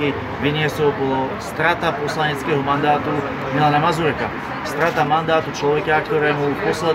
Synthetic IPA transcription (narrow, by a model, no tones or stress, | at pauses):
i | ʋiɲɪɛsɔpɔlɔst̪ɾat̪apɔslaɲɛt͡skɛːɦɔmand̪aːt̪u | milanamazuɾɛka̰ | st̪ɾat̪amand̪aːt̪ut͡ʃlɔʋɛkakt̪ɔɾɛːmupɔslɛ